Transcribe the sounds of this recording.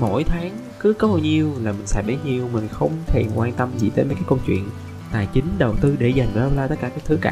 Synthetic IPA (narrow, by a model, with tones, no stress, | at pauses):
mo̰˧˨jt̪ʰaː˨˦ŋ | kɨ˨˦kɔ˨˦ho˨˩ɲi˧əwlaː˨˩mï˨˩ŋ̟saː˧˩ɗə˨˦ɲi˨˩əwmï˨˩ŋ̟xə˧wŋ͡mt̪ʰe˨˩nkwaː˧nt̪ə˧mzḭ˨˩t̪ə˨˦mə˨˩kːkːə˧wŋ͡mt͡ɕwḭ˧˨ən | t̪a̰ː˧˨jt͡ɕï˨˦ŋ̟ɗə˨˩wt̪ɨ˧ɗe˧˩za˨˩jŋ̟za˧lə˧wlaː˧t̪ə˦˥t̚kːaː˧˩kaː˦˥k̚t̪ʰɨ˨˦kaː˧